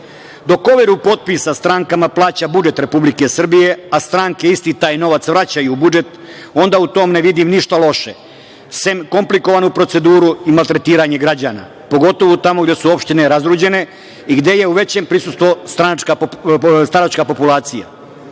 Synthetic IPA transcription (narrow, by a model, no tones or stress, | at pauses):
d̪o̞ko̞ʋeɾupo̞t̪̚pisast̪ɾaŋkamaplˠaːt͡ɕabud͡ʒe̞t̪ɾe̞publike̞sr̩bije̞ast̪ɾaːŋke̞ist̪it̪aːjno̞ʋat̪sʋɾat͡ɕajuːbud͡ʒe̞t̪ | o̞nd̪aut̪o̞ːmne̞ʋid̪imniʃt̪alˠo̞ʃe | semko̞mpliko̞ʋanupɾo̞t̪se̞d̪uːɾuimalˠt̪ɾe̞t̪iːɾaɲe̞ɡɾad͡ʑaːna̰ | po̞ɡo̞t̪o̞ʋut̪amoɡd̪e̞suo̞pʃt̪ineɾazɾuːd͡ʑe̞ne̞ | iɡd̪e̞je̞uʋe̞t͡ɕeːmpɾisust̪ʋost̪ɾant͡ʃkast̪anat͡ʃkapo̞pulˠaːt̪sija̰